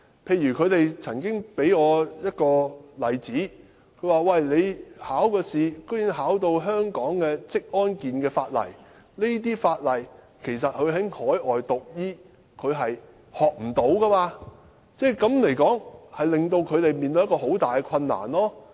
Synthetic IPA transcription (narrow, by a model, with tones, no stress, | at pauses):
pʰe˧jyː˨˩kʰɵ˨˧ɥt̪e˨jt͡sʰɐ˨˩ŋkɪ˥ŋpe˨˥jŋɔː˨˧jɐ˥t̚kɔː˧lɐ˨jt͡siː˨˥ | kʰɵ˨˧˥waː˨˩wɐ˨jle˨˧jhaː˨˥wkɔː˧siː˨ko˥ji˨˧˥ŋɦaː˨˥wt̪o˧wɦœː˥ŋkɔː˨˥ŋkɛː˧t͡sɪ˥k̚ʔɔː˥nkiː˨nkɛː˧faː˧t̚lɐ̰˨˩j | ne˥jt̪̬iː˥faː˧t̚lɐ˨˩j | kʰe˨˩js̬ɐ˨t̚hɵ˨˧ɥɦɐ˨˥jŋhɔː˨˥jʔɔː˨jt̪ʊ˨k̚jiː˥ | kʰɵ˨˧ɥɦɐ˨j | hɔː˨k̚m̩˨˩t̪o˨˥wkɐ˥maː˧ | t͡sɛː˥˩kɐ˨˥mle˨˩jkɔː˨˥ŋhɐ˨jlɪ˨ŋt̪o˧wkʰɵ˨˧ɥt̪e˨jmiː˨nt̪o˧˥jɐ˥kɔː˧ɦo˨˥wt̪aː˨˩jkɛ˧kʰɐ˧nːa̰ː˨˩nlɔː˥